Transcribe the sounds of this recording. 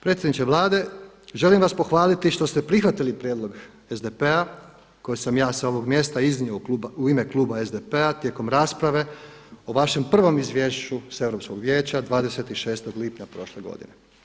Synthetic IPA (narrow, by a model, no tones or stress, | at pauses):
pɾe̞t̪sʲjed̪it͡ʃ̪eʋlˠaːd̪e̞ | ʒe̞limʋaspo̞xʋaːlit̪iʃt̪o̞st̪e̞pɾixʋat̪ilipɾjed̪lˠo̞ɡ | ezd̪epe̞a | ko̞jesamjaːsao̞ʋo̞ɡmje̞st̪aizniouuime̞klˠuːbae̞zd̪epeat̪je̞ko̞mɾaːspɾaʋe̞ | o̞ʋaʃe̞mpr̩ʋo̞mizʋje̞ːʃt͡ʃuse̞ʋɾo̞psko̞ɡʋje̞ːt͡ɕad̪ʋaːd̪e̞se̞t̪iʃe̞ːst̪o̞ɡlipɲapɾo̞ʃle̞ɡo̞̰d̪ḭne